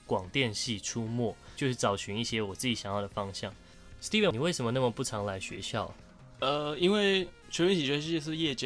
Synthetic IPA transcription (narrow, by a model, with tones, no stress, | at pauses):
kwɑ˨˩ŋt̪jɛ˥˧nɕi˥˩ʈ͡ʂʰu˥mwɔ˥˩t͡ɕjo˥˧ʊʂɻ̩˥˩t͡sɑ˨˩ʊt͡ɕʰy˧˥ni˥˩ɕjɛ˥wɔ˨˩t͡sɹ̩˥˩t͡ɕi˨˩ɕjɑ˨˦ŋjɑ˥˩də˩fɑ˥ŋɕjɑ˥˩ŋ | st̪i˥˩və˨ni˨˩we˥˩ɪʂə˧˥nmə˧na˥˩mə˨˩pu˥˩ʈ͡ʂʰɑ˧˥ŋla˧˥ɪɕɥɛ̰˧˥ɕjɑ˥˩ʊ˩ | ə˧i˥nwe˥˩ɪ | t͡ɕʰɥɛ˧˥nwe˥t͡ɕʰi˨˩ɥɛ˧˥ʂɻ̩˥˧t͡ɕjɛ˥˧ʂ̬ɻ̩˥˧jɛ˥˧t͡ɕɛ˥